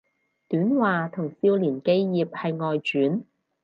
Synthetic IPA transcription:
t̪yː˨˥nwaː˨˧t̪ʰʊ˨˩ŋsiː˧wliː˨˩nke˥jjiː˨p̚hɐ˨jŋɔː˨jt͡ʃyː˨˥n

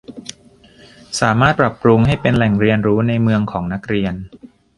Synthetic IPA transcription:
saː˩˦maː˥˩t̪̚pɾa˨˩pɾu˧ŋha˥˩jpe˧nlɛ˨˩ŋɾi˧ənɾuː˦˥na˧jmɯ˧əŋkʰɔː˩˦ŋna˦˥k̚ɾi˧ən

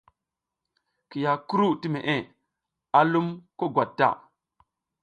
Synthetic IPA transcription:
ki˨ja˨ku˦ɾu˦ti˦me˨ʔe˦ | a˦lu˦mko˦ɡwa˨tːa̰˦˨

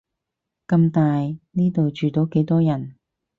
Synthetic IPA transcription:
kɐ˧mt̪aː˨jniː˥t̪o˨wt͡ʃyː˨t̪o˨˥wke˨˥jt̪ɔː˥jɐ˨˩n

